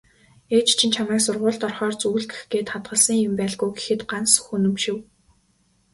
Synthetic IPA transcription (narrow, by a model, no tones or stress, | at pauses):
eːt͡ɕt͡ɕʰĭnt͡ɕʰamæːksʊrʁʊːɮt̪ɔrχɔːrt͡suɣ̆ɮɡexɡeːt̪χat̪ɢə̆ɮsə̆ŋjʊ̆mpæːɮɣujɡexɘ̆t̪ɢansxunɵ̆mʃɪ̆w